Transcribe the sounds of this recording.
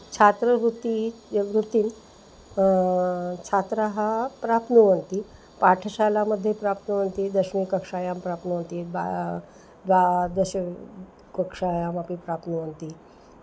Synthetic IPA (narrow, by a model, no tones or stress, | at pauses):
t͡ɕʰat̪ɾəɾut̪iʋɾut̪ːiːn | t͡ɕʰat̪ɾaɦapɾap̪nuʋənt̪i | paʈʰəɕalaməd̪ʱːjepɾap̚t̪nəʋənt̪id̪əɕmikəkʂajampɾapnuʋənt̪ia̰ | d̪ʋad̪əɕ | kəkʂajamapipɾap̪nuʋənt̪i